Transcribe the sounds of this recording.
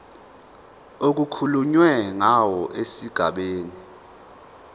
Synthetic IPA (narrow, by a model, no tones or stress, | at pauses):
ok̬ukʰuluɲwɛŋawɔʔesiɡ̥ʱaɓeːni